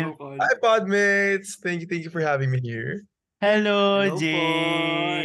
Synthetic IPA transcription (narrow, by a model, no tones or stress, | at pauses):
haɪpɑd̪̚mɪtsθæ̃ŋkjuθæ̃ŋkjufɔ˞hævɪ̃ŋmihḭɹ | hɛlod͡ʒe